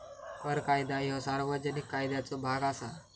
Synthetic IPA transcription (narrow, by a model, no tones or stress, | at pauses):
pəɾkajd̪ajɔsaɾʋəd͡zənikːajd̪jat͡sɔbʱaɡasa